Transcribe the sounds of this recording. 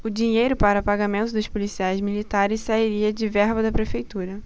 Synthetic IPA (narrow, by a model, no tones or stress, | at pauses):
ʊd͡ʒiɲejɾʊpaɾɐpaɡamẽnt̪ʊd̪ʊʃpolisiajzmilit̪aɾɪssaiɾiɐd͡ʒɪvɛɾbɐd̪ɐpɾefejt̪uɾɐ